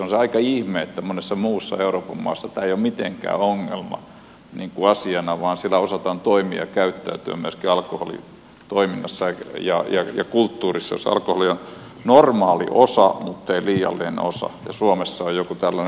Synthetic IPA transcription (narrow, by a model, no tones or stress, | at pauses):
sonseɑikɑihmeːet̪ːæmonesːɑmuːsːɑ̰euroːpɑmmɑ̰ːsːɑt̪æːeijommit̪eŋkæ̰ːoŋːḛlmɑ̰ | niːŋkuɑsiɑnɑʋɑːnsielːæosɑt̪ɑːnt̪oimiɑ̰kæyt̪ːæyt̪yæ̰myøskiɑlkoho̰lḭ | t̪oiminːɑsːɑjɑ̰jɑjɑ̰kult̪ːuːrisːɑjo̰sɑ̰lkoholion | normɑːlḭʔosɑmut̪ːeiliːjɑ̰lːinenḛosɑ̰jɑ̰suomesːɑojjokut̪ælːæn